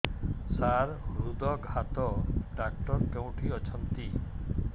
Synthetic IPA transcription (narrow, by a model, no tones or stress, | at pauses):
saɾɾud̪ɔɡʱat̪ɔɖakʈɔɾkew̃ʈʰiɔt͡ʃʰɔnt̪i